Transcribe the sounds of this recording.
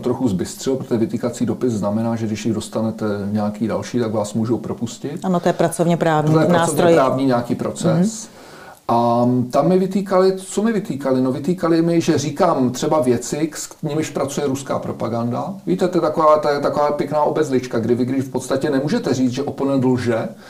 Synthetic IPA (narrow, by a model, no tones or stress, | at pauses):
t̪ɾo̞xuzbɪst̪r̥ɪlopɾot̪oɛvɪt̪iːkat͡siːdo̞pɪsznamɛnaːʒɛɡdɪʃjɪɣdo̞st̪anɛt̪ɛɲɛakiːda̰lʃiːt̪aɡvaːsmuːʒowpɾo̞puscɪt̪anot̪ojɛpɾat͡sovɲɛpɾaːvɲit̪ojɛɾaat͡sovɲɛojpɾaːvɲiːɲɛakiːpɾo̞t͡sɛs | ʔat̪amːɪvɪt̪iːkalɪt̪t͡somɪvɪt̪iːkalɪnovɪt̪iːkalɪmɪʒɛriːkaːmt̪r̥ɛbavjɛt͡sɪkskɲɪmɪʃpɾat͡sujɛɾuska̰ːpɾo̞paɡandaviːt̪ɛt̪oɛt̪akovaːt̪ojɛt̪akovaːpjɛknaːʔobɛzlɪt͡ʃkaɡdɪvɪɡdɪʃfpot̪st̪acɛnɛmuːʒɛt̪ɛriːt͡s̪ʒɛʔopolnɛnd̪l̩ʒɛ